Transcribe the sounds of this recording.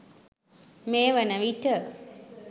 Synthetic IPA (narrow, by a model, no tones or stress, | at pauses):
meːʋənəʋiʈə